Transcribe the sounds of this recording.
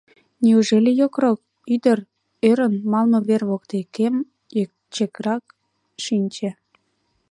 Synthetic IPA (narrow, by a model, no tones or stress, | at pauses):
niuʒelʲijokrok̚ | yd̪ər | øɾə̆nmɑlmɤ̆βerβokt̪ekem | t͡ɕekɾɑk̚ | ʃinʲt͡ɕe